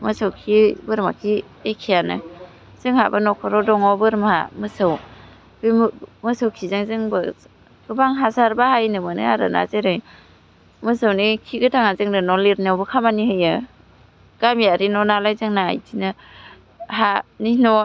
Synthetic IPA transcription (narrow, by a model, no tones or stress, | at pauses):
mɯsawkʰibɯɾmakʰi | ekʰijanɯ̰ | z̥ɯŋha̰banɔkʰɔɾɔdɔŋɔbɯɾma̰mɯsɯw | bmɯsawkʰizɯŋzɯŋbɯ | ɡ̥ɯbaŋɦasaɾbahajnɯmɯnɯ̰aɾa̰na̰zeɾɯj | mɯsawnikʰiɡɯtʰaŋazɯŋnɯnɔliɾnawbɯkʰamanihɯjɯ | ɡ̥amijaɾinɔnalajzɯŋnaa̰jtʰinɯ | ɦaninɔ